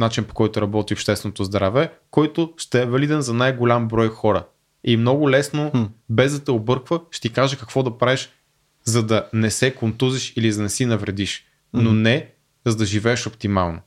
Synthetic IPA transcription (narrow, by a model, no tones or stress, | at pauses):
nat͡ʃinpo̥kɔjt̪ʊɾɐbɔt̪iopʃt̪ɛst̪vɛnot̪ozd̪ɾavɛkɔjt̪ʊʃt̪ɛɛvɐlid̪ɛnzɐnajɡolʲambɾɔjxɔɾə̰ | imnɔɡʊlɛsnobɛzd̪ɐt̪ɛobɤɾkvəʃt̪ikaʒɛkɐkvɔd̪ɐpɾaviʃ | zɐd̪ɐnɛsɛkont̪uziʃilizɐnɛsinɐvɾɛd̪iʃ | nonɛ | zɐd̪ɐʒivɛːʃopt̪ima̰lˠno